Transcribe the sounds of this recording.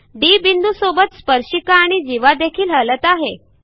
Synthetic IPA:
ɖibind̪usobət̪spəɾɕikaːɽ̃id͡ʑiʋad̪ekʰiːlɦələt̪aɦe

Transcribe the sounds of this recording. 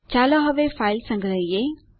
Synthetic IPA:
t͡ɕaːloɦɐʋefaːɪlsɐ̃ŋɡʱɾəije

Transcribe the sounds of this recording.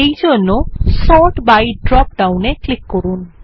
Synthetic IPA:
ejd͡ʑonːosɔʈbajɖɾɔp̚ɖawneklikːɔɾun

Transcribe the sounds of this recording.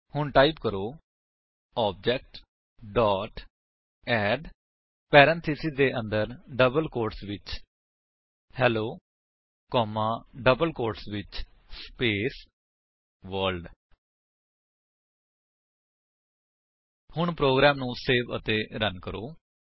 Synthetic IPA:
hʊɳʈaːipkəɾoː | ɔːb̚d͡ʒɛːk̚ʈ | ɖɔːʈ | ɛːɖ | pɛːɾə̃nt̪ʰɪsid̪eːʔə̃nd̪əɾɖəbəlkoːɾʈsʋɪt͡ʃ | hɛːloː | kɔːmãːɖəbəlkoːɾʈsʋɪt͡ʃspeːs | ʋəːɾlɖ | hʊɳpɾoːɡɾaːmnũːseːʋə̰t̪eːɾənkəɾoː

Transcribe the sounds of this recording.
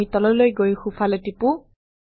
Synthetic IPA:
itɔlɔlojɡojxufʰalɛtipu

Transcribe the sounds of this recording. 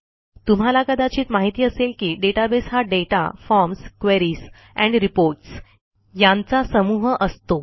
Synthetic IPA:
t̪um̤alakəd̪at͡ɕiːt̪maɦit̪iːəselkiːɖeʈabesɦaɖeʈa̰fɔɾmskʋeɾiːs | ɛ̃ɳɖɾipoɾʈs | jãnt͡sasəmuɦʔəst̪o

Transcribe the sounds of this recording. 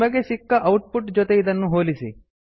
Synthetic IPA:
ʋɐɡeʃikːɐʔɐwʈ̚puʈd͡ʒot̪eid̪ɐnːuɦoːlisḭ

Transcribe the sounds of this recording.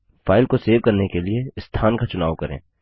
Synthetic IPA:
faːɪlkoseːʋkɐɾnekelieɪst̪ʰaːnkat͡ʃʊnaːʋkɐɾḛ̃ː

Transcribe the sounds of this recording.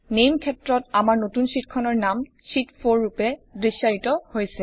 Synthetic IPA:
nejmkʰɛtɹɔtamaɹnotunsitkʰɔnɔɹnam | sitpʰoɹːupɛdɹisːaɹitɔhojsɛ

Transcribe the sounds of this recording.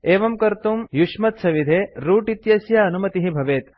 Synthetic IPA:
eːʋɐmkɐɾt̪umjuʂmɐt̪sʰɐʋid̪ʱeːɾuːʈit̪jɐsjɐɐnumɐt̪iɦibʱɐʋeːt̪

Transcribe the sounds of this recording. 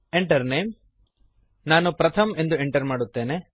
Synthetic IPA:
eɳʈɐɾnejm | naːnupɾɐt̪ʰɐme̞nd̪ueɳʈɐɾmaːɽut̪ːe̞ːne

